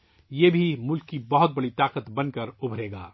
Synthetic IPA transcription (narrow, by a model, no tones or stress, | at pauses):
jebʱimʊlkːibɐɦʊt̪̚bɐɽit̪aːqət̪bɐ̃nkəɾʊbʱɾeːɡa̰ː